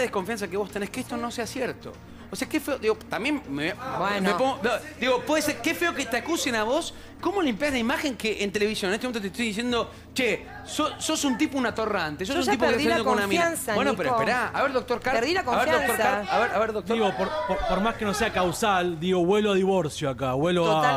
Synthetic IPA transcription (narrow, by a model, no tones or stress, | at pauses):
ðehko̞ɱfjans̬akeβo̞st̪enehkeest̪o̞no̞seasjeɾt̪o̰ | oseakefeoðiɣot̪ambjenmeabwenmepoŋɡood̪iɣopweðeseɾkefeoket̪eakusenaβo̞s | ko̞mo̞limpjazlaimaxeŋkeʔent̪ele̞βisjonet̪emment̪ot̪et̪ojðis̬jend̪o̞ | t͡ʃe | soso̞sunt̪ipounat̪o̞rant̪esossuipokeeokkonunamiansbenopeɾoespeɾaa̰βeɾðok̚t̪oɾkaɾðiakoaβeɾjðont̪oɾaɾaβeɾaβeɾðotd̪oiɣopoɾpoɾpoɾmaskenoseakawsald̪iɣo̞βwe̞loaðiβo̞ɾsjoakaβweloa